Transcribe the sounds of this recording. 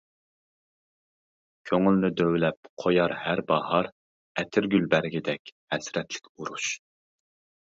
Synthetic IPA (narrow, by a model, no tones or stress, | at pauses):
kʲʰøŋylnɪd̪øwlɛp̚qʰojɑɾhæɾbɑhɑɾ | ɛt̪ʰɪɾɡʲylbæɾɡʲid̪ɛkʲhɛsɾɛt̪lɪ̥kʲuɾuʃ